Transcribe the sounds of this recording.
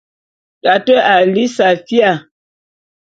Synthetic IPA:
ɗa˨tə˦a˨li˦sa˨fi˦a˨

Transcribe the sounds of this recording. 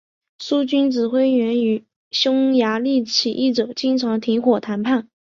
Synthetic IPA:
su˥t͡ɕy˥nʈ͡ʂɻ̩˨˩xwe˥ɪɥɛ˧˥ny˨˩ | ɕjʊ˥ŋja˧˥li˥˩t͡ɕʰi˨˩ʔi˥˩ʈ͡ʂo˨˩ʊt͡ɕi˥ŋʈ͡ʂʰɑ˧˥ŋt̪ʰi˧˥ŋxwɔ˨˩t̪ʰa˧˥npʰa˥˩n

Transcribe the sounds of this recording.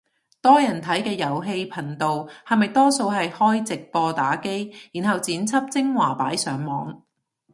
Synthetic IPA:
t̪ɔː˥jɐ˨˩nt̪ʰɐ˨˥jkɛː˧jɐ˨˩wɦe˧jpʰɐ˨˩nt̪o˨whɐ˨mɐ˨jt̪ɔː˥so˧wɦɐ˨jhɔː˥jt͡sɪ˨k̚pɔː˧t̪aː˨˥ke˥jjiː˨˩nɦɐ˨wt͡siː˨˥nt͡sʰɐ˥p̚t͡sɪ˥ŋwaː˨˩paː˨˥jsœː˨˥ŋmɔː˨˧ŋ

